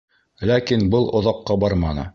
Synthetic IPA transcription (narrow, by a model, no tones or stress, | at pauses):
lækinbɤlˠʔŏðɑqːɑbɑɾmɑnɤ̰